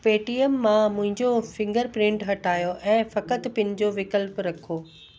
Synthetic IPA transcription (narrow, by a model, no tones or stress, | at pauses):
peːʈiəmːãmʊ̃ɦɪ̃ɲd͡ʑofɪ̃ŋɡəɾpɾɪ̃ɳʈɦɐʈʰaːjoʔɛ̃ːfɐkət̪pɪ̃nɪ̃d͡ʑoʋɪkəlpɾɐkʰoː